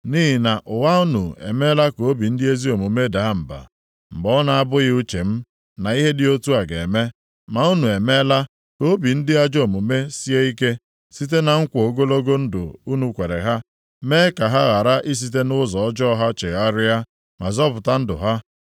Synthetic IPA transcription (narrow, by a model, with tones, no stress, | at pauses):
niː˦ɦi˨na˨ʔʊ˨wa˦u˦nṵ˨ḛ˨me˦la˦ko˨˦bi˨n̩˦dɪ˦e˦zi˦o˨mu˨me˦da˨a˦m̩˨ba̰˨ | m̩˨ɡ͡bɔ˦na˨a˦bʊ˦ɣɪ˦u˦t͡ʃe˨m̩˦ | na˨i˦ɦe˦dɪ˨o˦tu˦a˨ɡe˨e˨me˦ | ma˨u˦nu˨e˨me˦la˦ | ko˦bi˨n̩˦dɪ˦a˦d͡ʒo˨mu˨me˦si˦e˦i˦ke˦ | si˦t̬e˦na˨ŋ̩˦kʷo˨ɡo˦lo˦ɡo˦n̩˦dʊ̰˨u˦nu˨kʷe˨ɾḛ˨ɦa˦ | me˦ka˨ɦa˦ɣa˨ɾa˦ʔi˦s̬i˨t̬e˦nʊ˦zɔ˨ɔ˦d͡ʒɔ˦ɦa˦t͡ʃe˨ɣa˦ɾɪ˦ja˦ | ma̰˨zɔ˦pʊ˨ta˦n̩˦dʊ̰˨ɦa˦